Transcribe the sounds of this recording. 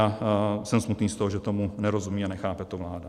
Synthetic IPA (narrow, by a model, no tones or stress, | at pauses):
asɛmsmut̪niːst̪oɦoʒɛt̪o̞munɛɾo̞zumiːanɛxaːpɛt̪ovlaːda